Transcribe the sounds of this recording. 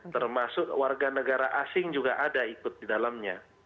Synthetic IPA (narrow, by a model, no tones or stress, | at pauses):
t̪ərmasʊk̚warɡanəɡaɾaʔasɪŋd͡ʒuɡaʔadaikʊt̪̚didalamɲa